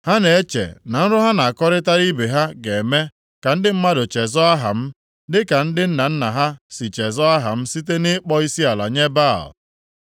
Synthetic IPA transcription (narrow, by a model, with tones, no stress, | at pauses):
ha˦ne˨e˦t͡ʃḛ˨na˨n̩˦ɾʊ˦ɦa˦na˨a˨kɔ˦ɾɪ˦ta˦ɾi˦be˨ɦa˦ɡe˨me˦ | ka˨n̩˦dɪ˦m̩˦ma˦dʊ˨t͡ʃe˨zɔ˦a˦ɦa̰˨m̩˦ | dɪ˦ka˨n̩˦dɪ˦n̩˦na˨n̩˦na˨ɦa˦si˨t͡ʃe˨zɔ˦a˦ɦa̰˨m̩˦si˦t̬e˦nɪ˦k͡pɔ˦i˦si˦a˨la̰˨ɲe˦ba̰˦˨l